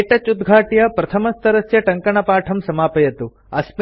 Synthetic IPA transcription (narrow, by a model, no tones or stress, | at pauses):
ʈɐt͡ʃud̪ɡʱaːʈjɐpɾɐt̪ʰɐmɐst̪ɐɾɐsjɐʈɐŋkɐɳɐpaːʈʰɐmsɐmaːpɐjɐt̪u | ɐsm